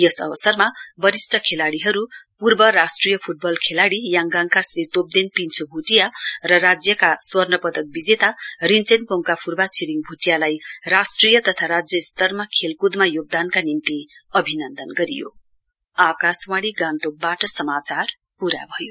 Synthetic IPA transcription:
jʌsʌ̰bʌsʌrmabʌɾisʈʰʌkʰelaɽiɦʌɾupurbʌɾasʈrijʌpʰuʈ̚bʌlkʰelaɽijaŋɡaŋkasrit̪op̚d̪enpint͡sʰobʱuʈijarʌrad͡zjʌkaswʌrnʌpʌd̪ʌk̚bid͡zet̪arint͡senpoŋkapʰurbat͡sʰiɾiŋbʱuʈjalajrasʈrijʌt̪ʌt̪ʰaɾad͡zjʌst̪ʌrmakʰelkud̪majoɡ̚d̪ankanimt̪iʌbʱinʌnd̪ʌnɡʌɾḭjo̰ | akaswaɽiɡãnt̪ok̚baʈʌsʌmat͡sar | puɾa̰bʱʌjo

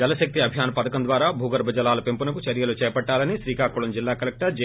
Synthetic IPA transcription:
d͡ʒɐlɐʃɐk̚t̪iɐbʱjaːnɐpɐd̪ɐkɐnd̪ʋaːɾaːbʱuːɡɐɾbʱɐd͡ʒɐlaːlɐpempunɐkut͡ʃɐɾjɐloːt͡ʃɛːjɐpɐʈːaːlɐnisɾiːkaːkuɭɐmd͡ʒilːaːkɐlek̚ʈɐɾd͡ʒ

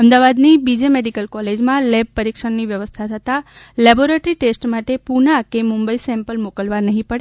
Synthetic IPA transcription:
əmd̪aʋad̪nibid͡ʒemeɖikəlkɔled͡ʒmãleb̚pəɾikʂəɳniʋjəʋəst̪ʰat̪ʰət̪a | lɛboɾeʈəɾiʈesʈmaʈepunakemumbəisɛ̃mpəlmokəlʋanəɦĩpəɽe

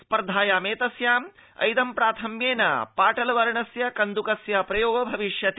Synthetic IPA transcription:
spɐɾd̪ʱaːjaːmeːt̪ɐsjaːmɐ̰jd̪ɐmpɾaːt̪ʰɐmjeːnɐ̰paːʈɐlɐʋɐɾɐɳɐsjɐkɐnd̪ukɐsjapɾɐjoːɡɐbʱɐʋiʂjɐt̪

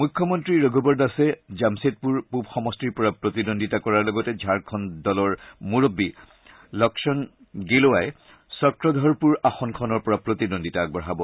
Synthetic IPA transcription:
mujkʰːɔmɔntɹiɹoɡʱubɔɹdasɛzamset̚puɹpupxɔmɔstɹiɹpɔɹapɹotidondʱitakɔɹaɹlɔɡɔtɛd͡ʒʱaɹkʰɔndɔlɔɹmuɹobːi | lɔksɔn | ɡeloaj | sɔkɹɔdʱɔɹpuɹaxɔnkʰɔnɔɹpɔɹapɹotidondʱitaɡ̚bɔɦabɔ

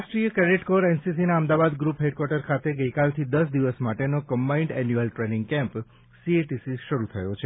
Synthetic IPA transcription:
ʃʈɾijəkɾɛɾeʈkoɾɛnsisinaəmd̪aʋad̪ɡɾupɦeɖkwaɾʈəɾkʰat̪eɡəjkalt̪ʰid̪əsd̪iʋəsmaʈenokəmbaiɳɖɛnjuəlʈɾenɪŋɡkɛ̃mp | sieʈisiʃəɾut̪ʰəjot͡ʃʰe

